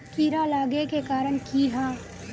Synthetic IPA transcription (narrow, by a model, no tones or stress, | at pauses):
kiːɾalaːɡekekaːɾənkiɦãː